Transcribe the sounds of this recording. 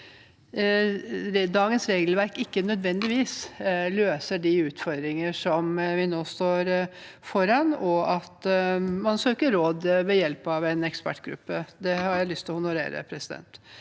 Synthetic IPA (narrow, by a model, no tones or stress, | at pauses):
d̪ɑːɡənsɾeːɡlʋæɾkɪkːənœd̪ʋɛnd̪ɪʋiːsløːsəɖɪʉːt̪fɔɾd̪ɾɪŋəʂɔmʋɪnoːst̪oːɾ | fɔɾɑnɔɑt̪mɑnsøːkəɾoːd̪ʋɛjɛlpɑʋɛnɛkspæ̰ʈːɡɾʉ̰pːəd̪ɛhɑɾjæɪlʏst̪ʰɪlɔhʊnʊɾḛːɾə̰pʰɾɛsɪd̪ɛ̰nt̪